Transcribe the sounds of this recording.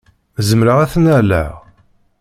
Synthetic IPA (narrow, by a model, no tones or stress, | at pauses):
zəmɾəʁæθnælæ̰ʁ